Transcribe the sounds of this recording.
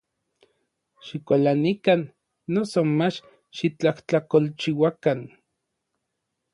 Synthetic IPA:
ʃikʷalanikanː | osomat͡ʃ | ʃit͡ɬaht͡ɬakolt͡ʃiwakan

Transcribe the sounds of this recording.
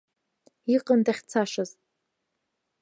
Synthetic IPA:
iqʼəndaχʲt͡sʰaʂaz̥

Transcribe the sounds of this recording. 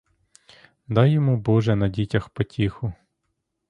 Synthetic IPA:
d̪ɑjɔmubɔʒɛnɐdʲitʲɐxpɔtʲixʊ

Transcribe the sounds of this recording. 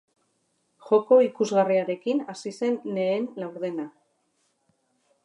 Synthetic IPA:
xo̞ko̞ikuzɣariaɾe̞kinasise̞nːe̞ːnlawɾðe̞na

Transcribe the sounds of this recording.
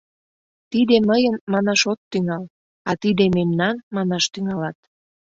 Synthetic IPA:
t̪id̪eməjənmɑnɑʃot̪ːyŋɑl | ɑt̪id̪ememnɑnmɑnɑʃt̪yŋɑlɑt̪

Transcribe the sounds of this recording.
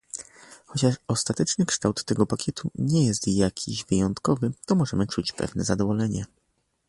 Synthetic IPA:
xɔt͡ɕaʂɔst̪at̪ɛt͡ʂnɘkʂt̪awt̪ːɛɡɔpakʲɛt̪ʰuɲɛjɛst̪jakʲʰiʑvɘjɔnt̪kɔvɘt̪ɔmɔʐɛmɘt͡ʂut͡ɕpɛ̰vnɛ̰zad̪ɔvɔlɛɲɛ

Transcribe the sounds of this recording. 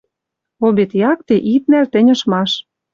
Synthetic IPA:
obet̪jɑk̚t̪eʔit̪̚nælt̪ɘ̆nʲə̆ʃmɑʃ

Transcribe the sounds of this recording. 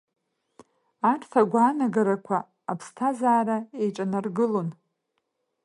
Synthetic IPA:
aʈ͡ʂʰʼtʰaɡʷaːnaɡaɾakʷʰaː | pʰstʰazaːɾaejʈ͡ʂʼanarɡɨlo̞n

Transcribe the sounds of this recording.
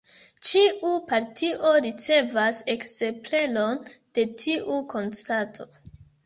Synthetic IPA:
t͡ʃiʔupaɾtʰiʔo̞ɾit͡se̞vase̞kze̞mple̞lo̞nd̥e̞tʰiʔuko̞nstatʰo̞

